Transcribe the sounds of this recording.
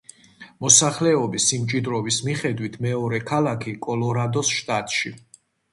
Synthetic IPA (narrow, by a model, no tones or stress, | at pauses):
mɔsaχlɛɔbisimt͡ʃʼid̪ɾɔvismiχɛd̪wit̪ʰmɛɔɾɛkʰalakʰikʼɔlɔɾad̪ɔsʃt̪ʼat̪ʼʃi